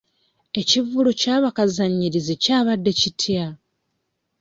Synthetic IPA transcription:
e̞civulucaːβakazaɲːiɾizecaːβadːe̞citʰja

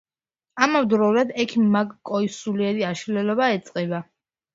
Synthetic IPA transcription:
amavd̪ɾɔulad̪ɛkʰimmaɡkʼɔisuliɛɾiaʃlɛlɔβaɛt̪sʼqʼɛba

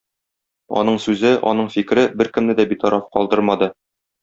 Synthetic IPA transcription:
ɒ̰nɤɴsʉzɘʔɒ̰n̪ɤɴfikɾɘbɘɾkɘ̆mnɘd̪æbit̪ɒɾʔɑfqɒ̰lˠd̪ɤɾmɑd̪ɤ

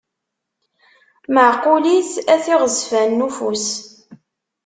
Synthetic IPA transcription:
məʕqːʊliθæθiʁəsfænːufus

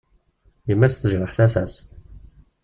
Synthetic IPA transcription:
jəmːæsθəʒɾəħθæsæs

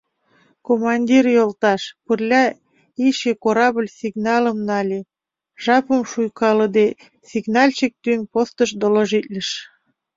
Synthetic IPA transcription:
komɑnʲdʲirjolt̪ɑʃpərlʲɑ | iʃekoɾɑbəlʲsʲiɡnɑləmnɑlʲe | ʒɑpə̆mʃujkɑləd̪e | sʲiɡnɑlʲt͡ɕek̚t̪ynpost̪əʃd̪oloʒitʲlʲə̆ʃ

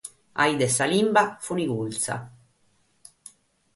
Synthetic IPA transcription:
a̰id̪ɛsːalimbafuniɡult̪sa̰

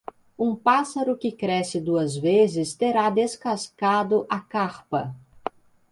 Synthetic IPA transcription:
ũpasɐɾʊkɪkɾɛsɪd̪uɐzvezɪst̪eɾad̪eskaskad̪ʊʔɐkaɾpɐ

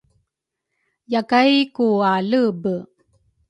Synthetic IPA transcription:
jakajkualəbə

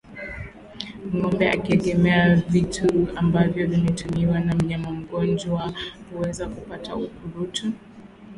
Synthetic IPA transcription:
m̩ŋɔmbɛa̰kiɛɠɛmɛavitʰuambavjɔvimɛtumiwanam̩ɲamam̩ɡɔnd͡ʒwahuwɛzakupataukuɾutu

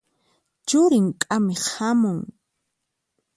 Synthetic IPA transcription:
t͡ʃʊɾɪŋkʼamɪhamʊŋ

